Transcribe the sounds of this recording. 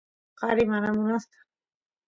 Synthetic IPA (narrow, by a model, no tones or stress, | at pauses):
qɑɾɪmanamʊnast̪ḁ